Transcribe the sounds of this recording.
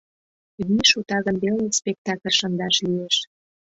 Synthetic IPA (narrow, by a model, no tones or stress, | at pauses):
βiʃut̪ɑɣə̆nbelespʲek̚t̪ɑkə̆lʲʃə̆nd̪ɑʃlieʃ